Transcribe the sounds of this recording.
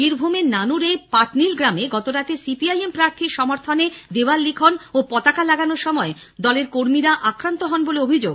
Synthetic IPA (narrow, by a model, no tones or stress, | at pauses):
biɾbʱumenanuɾepaʈnilɡɾameɡɔt̪oɾat̪esipiajempɾaɾt̪ʰiɾʃɔmoɾt̪ʰoned̪ewallikʰonopɔt̪akalaɡanoɾʃɔmɔe | d̪ɔleɾkoɾmiɾaʔakɾant̪oɦɔnboleobʱid͡ʑoɡ